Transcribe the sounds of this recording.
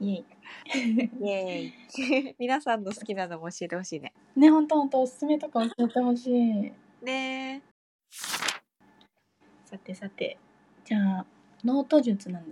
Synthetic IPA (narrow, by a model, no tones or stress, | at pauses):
jei | eimʲinasãnːo̞sɨ̥kʲinano̞moːɕie̞t̪e̞ho̞ɕiːne̞̰ | ne̞ɦõ̞nt̪o̞hõ̞nt̪o̞ːsɨ̥sɨme̞t̪o̞kaoɕiet̪e̞ɦo̞ɕiː | ne̞ | sat̪ːe̞sat̪ːe̞̰ | d͡ʑaː | no̞ːt̪o̞ʑɨt͡sɨnãnd̪a